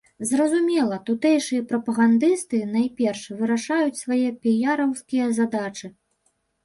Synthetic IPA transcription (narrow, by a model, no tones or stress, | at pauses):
zrɐzumʲɛlˠɐt̪ut̪ɛjʂɨjɐpɾɐpɐɣand̪ɨst̪ɨnajpʲɛrʂvɨɾaʂajut͡sʲsvajɛpʲijaɾɐwskʲijɐzad̪at͡ʂɨ